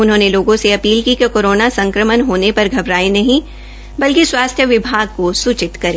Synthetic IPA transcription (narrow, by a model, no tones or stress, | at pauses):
ʊnɦõːneloːɡõseɐpiːlkikekoːɾoːnasɐ̃ŋkɾəmənɦoːnepɐɾɡʱɐbɾaːinɐɦĩ | bɐlkiswaːst̪ʰjəʋɪbʱaːɡ̚kosut͡ʃɪt̪kɐɾẽː